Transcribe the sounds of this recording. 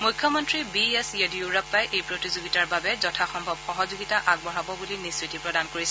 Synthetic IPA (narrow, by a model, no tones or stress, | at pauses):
mujkʰːjɔmɔntɹibiesjodjuɹapːajʔejpɹotizoɡitaɹbabɛzɔtʰaxɔmbʱɔbxɔɦɔzuɡitaʔaɡ̚bɔɦabɔbulinisɹitipɹɔdankoɹisɛ